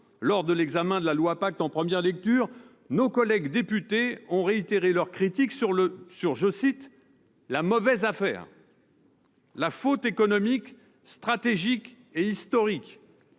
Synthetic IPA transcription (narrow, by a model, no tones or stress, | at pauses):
lɔʁd̪əlɛɡzamɛ̃d̪əlalwapak̚t̪ɑ̃pχəmjɛʁlɛk̚t̪yʁ | nokɔlɛɡd̪epyt̪eɔ̃ʁeit̪eʁelœʁkχit̪iksyʁləsyʁʒəsit̪ | lamɔvɛzafɛ̰ːʁ | lafot̪ekɔnɔmik | st̪χat̪eʒik | eist̪ɔʁik